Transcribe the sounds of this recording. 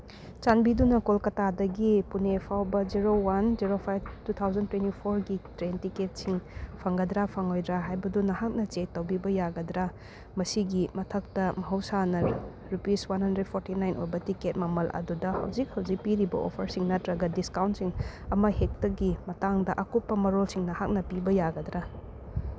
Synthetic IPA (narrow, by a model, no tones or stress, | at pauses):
t͡ʃanbidunɐkolkɐtadɐɡipunepʰawbɐd͡ʒiɾowand͡ʒiɾopʰajb̚tut̪ʰawzɐntwentipʰoɾɡitɾentiket̚siŋpʰɐŋɡɐdɾapʰɐŋojdɾaɦajbɐdunɐhak̚nɐt͡ʃek̚tɐwbibɐjaɡɐdɾa | mɐsiɡimɐtʰɐk̚tɐmɐɦɐwsanɐɾ | ɾupiswanhɐndɾed̚pʰoɾtinajnʔo̰jbɐtiket̚mɐmɐlʔɐ̰dudɐhɐ̰wd͡ʒik̚hɐwd͡ʒik̚piɾibɐ̰ʔo̰pʰɐɾsiŋnɐtɾɐɡɐdiskawntsiŋ | ɐmɐhek̚tɐɡimɐtaŋdɐʔɐkup̚pːɐmɐɾolsiŋnɐhak̚nɐpibɐjaɡɐd̪ɾa